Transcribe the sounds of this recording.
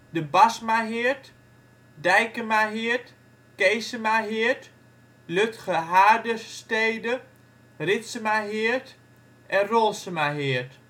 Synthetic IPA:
dəbasmaɦɪət | dɛjkəmaɦɪət | kejsəmaɦɪət | løtχəɦaːdəsteːjdə | rɪtsəmaɦɪərt | ʔɛnrolˠsəmaɦɪərt

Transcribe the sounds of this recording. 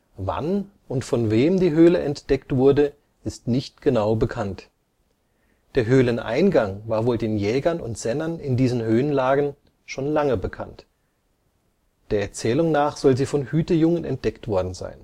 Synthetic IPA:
va̰n | ʊntfɔnveːmdiːɦøːləʔɛntd̥ɛktv̥ʊɐdə | ʔɪstnɪçtɡ̥ənaʊbəkʰant | d̥eːɐɦøːlənʔa̰ɪnɡaŋvaːɐvoːldeːnjɛːɡɐnʊ̰ntz̥ɛnɐnɪndiːzənɦøːənlaːɡn̩ | ʃoːnlaŋəbəkʰa̰nt | d̥eːɐɛɐt͡sɛːlʊŋnaːχz̥ɔlziːfɔnhyːtəjʊŋənɛ̰nt̚d̥ɛktv̥ɔɐdn̩za̰ɪn

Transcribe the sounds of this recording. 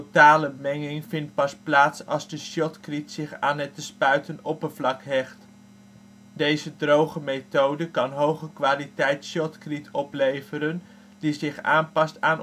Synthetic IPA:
taːləmɛŋɪŋvɪnt̚pɑsplaːtsɑlˠzdəʃɔtkritsɪχaːnɛtəspœɥtənɔpəvlɑkɦɛχt | dejzədrowχəmetowdəkɑnɦowχəkʋaːlitɛjtʃjɔtkritʰɔplejvəɾən | dizɪχaːnpɑstaːn

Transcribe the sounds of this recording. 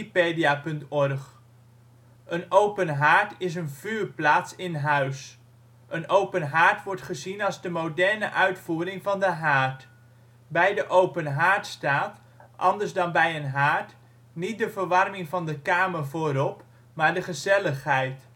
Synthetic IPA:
pejdiapɵntɔɹχ | ənowpənɦaːɹtɪs̬ənv̥yːɹplaːtsɪnɦœɥs | ʔənowpənɦaːɹtʋɔɹtχəzinɑlˠzdəmowdɛɹnəʔœɥtfuːɾɪŋvɑndəɦaːɹt | bɛjdəʔowpənɦaːɹtstaːt | ʔɑ̰ndəɹzdɑnbɛjənɦaːɹt | nit̚dəvəɹʋɑrmɪŋvɑndəkaːməɹvoːɾɔp | maːɹdəχəzɛləχɦɛjt

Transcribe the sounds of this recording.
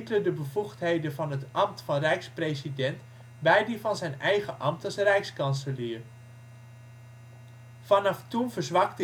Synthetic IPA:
klədəbəvuχtɦejdənvɑnɦətɑmtfɑnrɛjkspresidɛnt | bɛjdivɑnzɛjnɛjχəʔɑmtɑsrɛjkskɑnsəliːr | vɑnɑftunvəɹzʋɑktə

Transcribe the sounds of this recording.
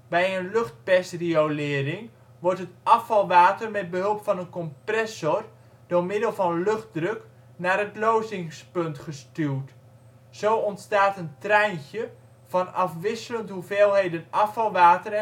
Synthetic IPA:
bɛjənlɵχt̚pɛstriolɪːɾɪŋ | ʋɔrtɦətɑfɑlˠʋaːtərmɛd̚bəɦɵlˠpfɑnənkɔmprɛsɔr | domɪdəlˠvɑnlɵχt̚drøk | naːɾətlowzɪŋspɵntχəstyət | sowɔntstaːtəntrɛjnçjə | vɑnɑfʋɪsələnthuveːlˠɦejdənʔɑfɑlˠʋaːtər

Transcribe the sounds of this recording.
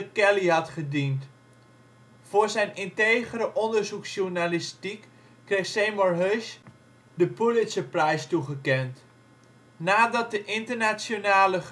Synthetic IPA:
əkɛliɦɑtχədint | fʊːrzɛjnɪntejɣəɾəʔɔndərzuksʃurnalɪstikː | rextsejmɔrɦøʃ | dəpulɪtsəprɛjstuɣəkɛnt | naːdɑt̚dəʔɪntərnasjonaːlə

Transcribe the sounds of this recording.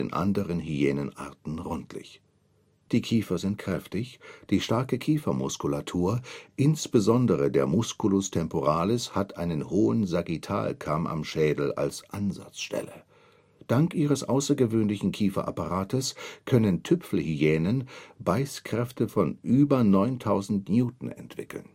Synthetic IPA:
nʔa̰ndəʁənhyɛːnənʔa̰ɐtn̩ʁɔntlɪ̰ç | d̥iːkʰiːfɐzɪnt̚kʁ̥ɛftɪçd̥iːʃtaɐkəkʰiːfɐmʊskulatʰuːɐʔɪnsb̥əzɔndəʁədeːɐmʊskulʊstʰɛmpoʁaːlɪshatʔaɪnənhoːənzaɡitʰa̰ːlkʰamʔa̰mʃɛːdl̩a̰lsʔanza̰t͡sʃtɛ̰lə̰ | d̥aŋkʔiːʁ̞əsʔaʊsɐɡəvøːnlɪçn̩kʰiːfɐ̰ʔapaʁaːtəskʰœnəntʰʏpfl̩hyɛːnənbaɪskʁ̥ɛftəfɔnʔyːbɐnɔʏntʰaʊzn̩tnjuːtn̩ɛ̰ntv̥ɪkl̩n

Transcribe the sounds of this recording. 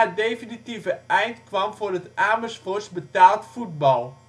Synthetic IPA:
ədejfinitivəʔɛjntkʋɑmvʊːrətʔaːməsfɔsbətaːlˠtfut̚bɑlˠ

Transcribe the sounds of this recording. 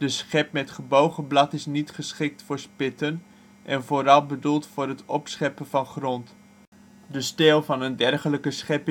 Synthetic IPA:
dəsχɛp̚mɛtχəbowχəblɑtɪsnitχəsχɪk̚tfʊːɹspɪtən | ʔɛnvoːɾɑlˠbədulˠtfʊːɾɦətɔpsχɛpəvɑnχrɔnt | dəstɛːlˠvɑnəndɛrχələkəsχɛp

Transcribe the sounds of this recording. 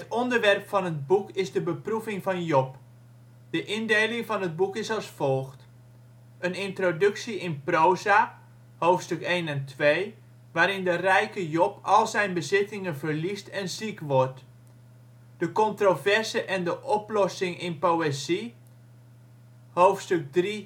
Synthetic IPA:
ɦətɔndərʋɛrpfɑnəd̚bukɪzdəbəpruvɪŋvɑnjɔp | d̥əʔɪndejlɪŋvɑnɦəd̚bukɪsɑlˠsfɔlˠxt | ənɪntrodɵksiʔɪnprowzaː | howftstʏkejnɛntʰʋej | ʋaːɾɪndərɛjkəjɔpʰɔlˠzɛjnbəzɪtɪŋənvərlistʰɛnzikʋɔrt | d̥əkɔntrovɛrzəʔɛndəʔɔplɔsɪŋɪnpowezi | howftstʏk̚dri

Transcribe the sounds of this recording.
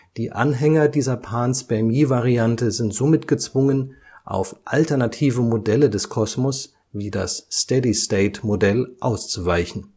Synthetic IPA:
d̥iːʔa̰nɦɛŋɐdiːzɐpʰaːnsb̥ɛɐmiːvaʁiantəzɪntz̥omɪtɡ̥ət͡sv̥ʊŋən | ʔa̰ʊfʔa̰ltɛɐnatʰiːvəmodɛlədɛskʰɔsmɔs | viːda̰sstɛdisteɪtmodɛlʔa̰ʊst͡suvaɪçn̩

